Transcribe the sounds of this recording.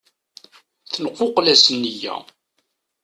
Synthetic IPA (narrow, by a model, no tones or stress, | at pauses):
θənqːoqlæsnːijæ̰